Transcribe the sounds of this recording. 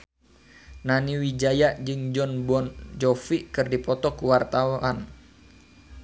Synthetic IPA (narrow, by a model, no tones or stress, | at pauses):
naniwid͡ʒajaʔd͡ʒɨŋd͡ʒɔnbɔnd͡ʒɔfikɨrdipɔt̪ɔkuwart̪awan